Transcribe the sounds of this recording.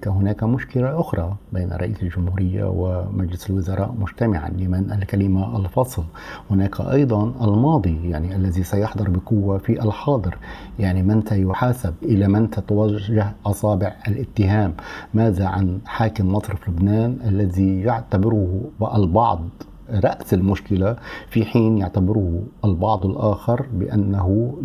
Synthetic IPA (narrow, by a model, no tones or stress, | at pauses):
t̪aɦʊnaːkamʊʃkɪlaʔʊxɾˤɑbeːnʔɾˤːɑ̰ʔiːsɪlʒʊmhuːɾɪjːa̰wɪmad͡ʒlɪsalwʊzɑɾˤɑ̰ːʔmʊʒt̪amɪʕa̰lɪmɪnʔalkalɪmaʔɑlfɑsˤl | hʊnaːka̰ʔɑjd̪ˤɑnʔalmɑːd̪ˤijaʕniʔalːaðisajʊħd̪ˤɑɾˤbɪqʊwːafiʔalħɑːd̪ˤɨɾjaʕnimɪnt̪ajʊħaːsabʔɪlamɪnt̪at̪awaʒːahʔɑsˤɑːbɪʕʔalʔɪt̪ːɪɦaːmːaːðaʕa̰nħaːkɪmːɑsˤɾˤɪflʊbnaːnʔalːaðijaʕt̪abɪɾʊhʔalbɑʕd̪ˤ | ɾˤɑʔsɪlmʊʃkɪlafiħiːnjaʕt̪abɪɾʊhʔalbɑʕd̪ˤɪlʔaːxɪɾbɪ̰ʔanːaɦʊ